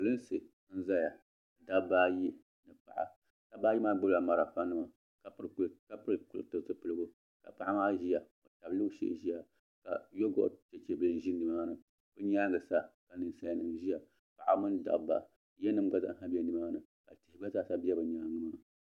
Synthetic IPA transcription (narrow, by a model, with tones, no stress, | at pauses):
ɨ˨lɨ˦n˦sɨ˨ | n̩˦za˦ja˨ | da˦bbaː˦ji˦ | nɨ˨pa̰˨ʔa̰˨ | ta˦baː˦ji˦maː˦ɡ͡bɨ˦la˨ma˨ɾa˨fa˦nɨ˦ma˨ | ka˦pɨ˦ɾka˦pɨ˦ɨ˨ku˦˨tɨ˨tɨ˦pɨ˨lɨ˦ɡo˦ | ka̰˨pa˦ʔa˦maː˦ʒi˦ja˨ | o˨ta˨blɨ˦ʃḛ˦˨ʒi˦ja˨ | ka̰˨jo˦ɡo̰˦ʔte˨t͡ʃe˨bɨ˨˦˨n˨ʒi˦nɨ˨maː˦nɨ˨ | bɨ˦ɲ˦aː˦ŋɨ˨sa˦ka˨nɨ˨sa˦ja˦nɨ˨mʒi˦ja˨ | pa˨ʔa̰˨˦mɨ˦nda̰˨bba̰˨ | jɛ˦nɨ˦mɡ͡ba˦za̰˦ɦa˦bi˦ɛ˦nɨ˨maː˦nɨ˨ | ka̰˨ti˨hɡ͡ba˦za˦sa˦bi˦ɛ˦bɨ˨ɲaː˦ŋɨ˦maː˦